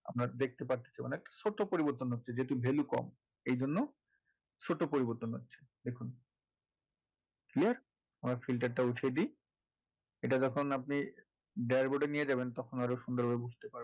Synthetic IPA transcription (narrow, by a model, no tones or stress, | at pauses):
a̰mɾad̪ek̚ʰt̪epaɾt̪e̥t͡ɕʰajbonaɛk̚ʈḁʃoʈːopoɾiboɾt̪onɦotːɕʰed͡ʑeɦt̪̬ubʱelukɔ̰m | ejd͡ʑonːo | ʃoʈːopoɾiboɾt̪onɦotːɕʰe̥d̪ekʰun | kliaɾ | amɾafilʈ̬aɾʈauʈʰed̪i | eʈad͡ʑɔkʰonap̚ni | ɖeaɾboɖenied͡ʑabent̪ɔkʰonaɾoʃund̪oɾɦoebud͡ʑʱt̪epaɾ